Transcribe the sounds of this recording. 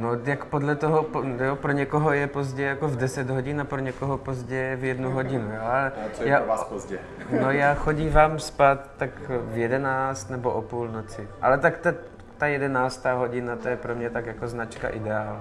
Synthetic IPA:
nojakpodlɛt̪oɦopjopɾoɲɛkoɦojɛpo̞zɟɛjako̞vdɛsɛd̪ɦoɟɪnapɾoɲɛkoɦopo̞zɟɛvjɛdnuɦoɟɪnujoːalɛjazɛ | nojaːxo̞ɟiːvaːmspat̪ːakvjɛdɛnaːt͡st̪nɛboʔopuːlnot͡sɪʔa̰lɛt̪akt̪ɛ | t̪ajɛdɛnaːst̪aːɦo̞ɟɪnat̪ojɛpɾomɲɛt̪akjako̞znat͡ʃka̰ʔɪdɛaːl

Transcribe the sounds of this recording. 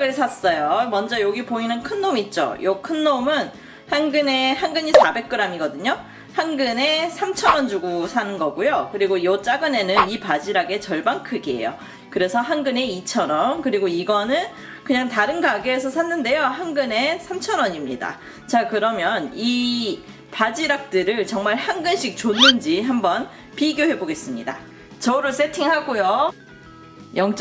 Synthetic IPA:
ɯɭsʰas͈ʌjomʌnd͡ʑʌjoɡipoinɯnkʰɯnːomit̚t͡ɕ͈o̰jokʰɯnːomɯn | hanɡɯne̞hanɡɯɲisʰabe̞k̚k͈ɯɾamiɡʌdɯɲo | hanɡɯne̞sʰamt͡ɕʰʌnwʌnd͡ʑuɡusʰanɯnɡʌɡujokɯɾiɡojot͡ɕ͈aɡɯne̞nɯnipad͡ʑiɾaɡe̞t͡ɕʌɭbankʰɯɡie̞̰jo̰ | kɯɾe̞sʰʌɦanɡɯne̞it͡ɕʰʌɾʌmkɯɾiɡoiɡʌnɯn | kɯɲaŋtaɾɯnɡaɡeːs̬ʰʌsʰanːɯnde̞johanɡɯne̞sʰamt͡ɕʰʌnʌɲimɲida̰ | t͡ɕakɯɾʌmjʌni | pad͡ʑiɾak̚t͈ɯɾɯɭt͡ɕʌŋmaɭhanɡɯnɕʰik̚t͡ɕonːɯnd͡ʑiɦambʌn | piɡjoɦe̞boɡe̞s͈ɯmɲida̰ | t͡ɕʌɾɯɭs͈ʰe̞tʰiŋɦaɡujo | jʌŋt͡ɕ͈

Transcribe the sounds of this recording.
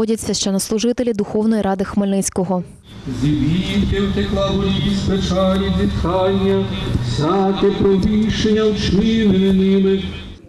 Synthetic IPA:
ɔdʲɐt͡sʲːɐʃt͡ʃɛnɐslˠʊʒɪt̪elʲid̪ʊxɔwnɔjiɾʔɑd̪ɪxmelʲnɪt͡sʲkɔɦɔ | zʲibʲiwʲk̪ewt̪eklˠɑlɔjʲikʲispet͡ʃɑlʲidʲit̪kɑnʲːɐsʲɑk̪ɛpɾɔʋʲiʃenʲːɐwt͡ʃɪnenɪmɪ

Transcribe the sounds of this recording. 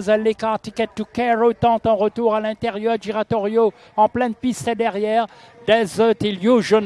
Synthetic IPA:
zɛlːekaʁt̪ikɛt̪ːukɛʁot̪ɑ̃t̪ɑ̃ʁət̪uʁalɛ̃t̪ɛʁjœʁd̪iʁat̪ɔʁjo | ɑ̃plɛnpist̪ed̪ɛʁjɛːʁ | d̪ɛzøt̪iljuʒɔn

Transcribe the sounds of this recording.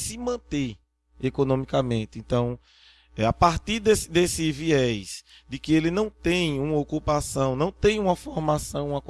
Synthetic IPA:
sɪmɐ̃t̪e | ekonõmikamẽnt̪ɪẽnt̪ɐ̃w̃ | ɛapaɾt̪iɾd̪esɪd̪esɪviɛsd̪ɪkɪelɪnɐ̃w̃t̪ẽj̃ũmɐokupasɐ̃w̃nɐ̃w̃t̪ẽj̃ũmɐfoɾmasɐ̃w̃ũmɐk

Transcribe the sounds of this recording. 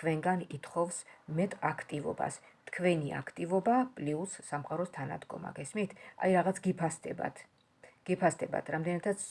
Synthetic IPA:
kʰvɛŋɡanit̪ʰχɔvsmɛt̪ʼakʰt̪ʼivɔ̰ba̰st̪ʰkʰvɛnia̰kʰt̪ʼivɔbapʼliusːamqʼaɾɔst̪ʰana̰d̪ɡɔ̰ma̰ɡɛsmit̪ʰa̰jɾaʁat̪sʰɡipʰasɛbt̪ | ɡ̥ɛpʰast̪ɛba̰t̪ʰɾamd̪ɛnat̪ʰat̪sʰ

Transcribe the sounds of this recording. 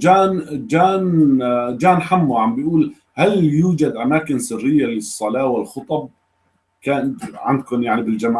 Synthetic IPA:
d͡ʒaːnd͡ʒaːn | d͡ʒaːnħamːuʕambɪjʔuːl | haljuːd͡ʒad̪ʔamaːkɪnsɪrːɪjːalɪsˤːɑlɑːwɪlxʊt̪ˤɑb̚ | kaːnʕand̪̚kʊnjaʕnibɪld͡ʒam

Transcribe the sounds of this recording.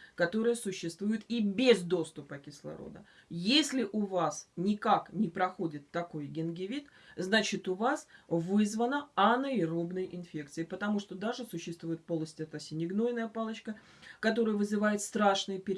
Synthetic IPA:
kɐt̪o̞ɾɨjəsʊɕːɪst̪vujɪt̪ibʲɪzd̪o̞st̪ʊpəkʲɪslˠɐ̰ɾo̰d̪ə̰ | jesʲlʲɪʔʊvasnʲɪkaknʲɪpɾɐxo̞dʲɪt̪ːɐko̞jɡʲɪnɡʲɪvʲit̪ | znat͡ɕɪt̪ʊvasvɨzvənəɐnəɪrobnəjʔɪnfʲe̞k̚t̪sɨɪpət̪ɐmuʂt̪o̞d̪aʐɨsʊɕːɪst̪vʊjɪt̪̚po̞lˠnəsʲtʲɪɛt̪asʲɪnʲɪɡno̞jnəjəpalˠət͡ɕkə | kɐt̪o̞ɾəjəvɨzɨvajɪt̪st̪ɾaʂnɨjəpʲɪɾʲ

